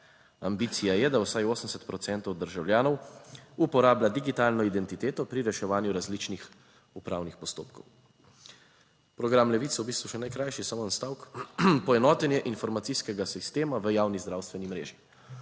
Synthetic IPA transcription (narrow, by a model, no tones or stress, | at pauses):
ambiːt̪sijajɛd̪awsajoːsəmsɛt̪pɾɔt̪sɛnt̪ɔwd̪əɾʒawljaːnɔwupɔɾaːblad̪iɡit̪aːlnɔid̪ɛnt̪it̪eːt̪ɔpɾiɾɛʃɛʋaːnjuɾazlit͡ʃnix | upɾaːwnixpɔst̪o̰ːpkɔw | pɾɔɡɾamlɛʋiːt̪swbiːst̪ʋuʃɛnajkɾajʃisamonst̪aːwkpɔɛnɔːt̪ɛnjɛʔinfɔɾmat̪siskɛɡasist̪eːmaʋəjaːwnizd̪ɾaːwst̪ʋɛnimɾḛːʒi